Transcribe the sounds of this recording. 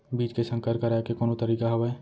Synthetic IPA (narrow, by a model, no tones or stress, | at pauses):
biːt͡ʃkesə̃ŋkəɾkəɾaekekoːnõt̪əɾiːkaɦɐʋɛɛ